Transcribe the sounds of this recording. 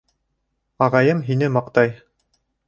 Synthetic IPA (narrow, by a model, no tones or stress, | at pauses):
ɑʁɑjɤmɦinɘmɑqt̪ɑj